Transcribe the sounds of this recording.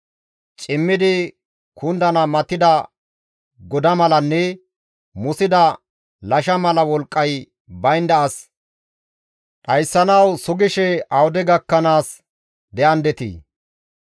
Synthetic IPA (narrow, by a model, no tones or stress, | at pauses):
t͡ʃʼɪmːɪd̪ɪ | kʰʊnd̪ɐnɐmɐt̪ːɪd̪ɐ | ɡɔd̪ɐmɐlɐnːɛ | mʊsɪd̪ɐ | lɐʃɐmɐlɐwɔlkʼːɐj | bɐjnd̪ɐɐs | ᶑ̪ʼɐjsːɐnɐwsʊɡɪʃɛɐwʊd̪ɛɡɐkːɐnaːs | d̪ɛʔɐnd̪ɛt̪ḭː